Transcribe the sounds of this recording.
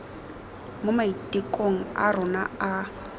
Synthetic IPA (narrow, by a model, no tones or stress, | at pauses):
mʊmaitʼikʼoŋ̩a̰rʊna̰a